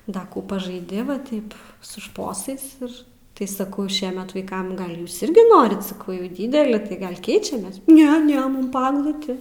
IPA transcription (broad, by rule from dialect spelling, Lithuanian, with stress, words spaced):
ˈdɐ ˈkuː pɐʒɐɪˈdʲɪ ʋɐ ˈtɐɪp sʊ ˈʃpoːsɐɪs ˈɪr tɐɪ sɐˈkɐʊ ˈʃʲiɛmʲɛt ˈʋɐɪkɐm ˈɡɐlʲ ˈjuːs ɪrʲɡʲɪ ˈnoːrʲɪt sɐˈkɐʊ jɛʊ ˈdʲiːdʲɛlʲɪ tɐɪ ˈɡɐlʲ ˈkʲɛɪt͡ʃʲɛmʲeːs ˈnʲɛ ˈnʲɛ ˈmʊm ˈpɐ ɐɡlˠʊˈtʲɪ